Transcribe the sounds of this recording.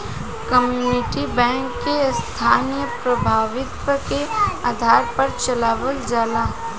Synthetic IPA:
kɐmjjuːnɪʈibɛ̃ːŋkːest̪ʰaːnijəpɾɐbʱaːʋɪt̪ʋəkeaːd̪ʱaːɾpɐɾt͡ʃɐlaːʋəld͡ʒaːlaː

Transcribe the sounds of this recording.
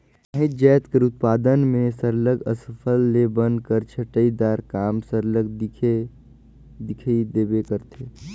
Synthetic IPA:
əɦɪd͡ʒɛːt̪kəɾʊt̪̚paːd̪ənmẽsəɾləɡəsəpʰəlːebə̃nd̪̚kəɾt͡ʃʰəʈəid̪aːɾkaːmsəɾləɡ̪ʰe | d̪ɪkʰid̪eːbekəɾt̪ʰe

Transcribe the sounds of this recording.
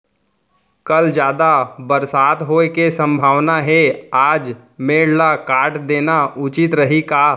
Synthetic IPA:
kɐld͡ʒjaːd̪abəɾsaːt̪ɦoːekesə̃mbʱaːʋnaɦɛaːd͡ʒ | meːɽlakaːʈʰd̪eːnaʊt͡ʃɪt̪ɾəɦikaː

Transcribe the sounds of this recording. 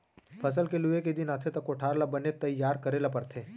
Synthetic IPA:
pʰɐs̬əlkeluʋeked̪ɪnaːt̪ʰet̪ɐkʊʈʰaːɾlabɐnet̪ɐjːaːɾkɐɾeːlapɐɾt̪ʰeː

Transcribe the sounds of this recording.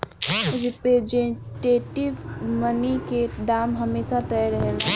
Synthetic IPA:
ɾɪpɾed͡ʒeʈeːʈɪʋmənikeɖaːmɦəmeːsat̪ɛɾəɦel

